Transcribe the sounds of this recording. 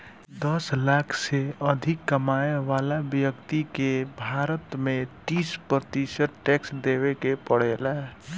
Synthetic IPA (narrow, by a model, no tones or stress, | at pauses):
d̪əslakʰseəd̪ʱikːəmaeʋalabjəkt̪ikebʱaɾət̪met̪ispɾət̪isəʈʈeksd̪eβekepəɽ̤ela